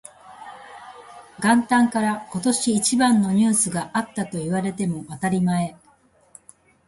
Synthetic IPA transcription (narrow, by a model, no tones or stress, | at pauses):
ɡãnt̪ãŋkaɾako̞t̪o̞ɕiːt͡ɕibãnːo̞ɲ̟ɨːsɨɡaʔat̪ːat̪o̞iβaɾe̞t̪e̞mo̞βat̪aɾʲimae̞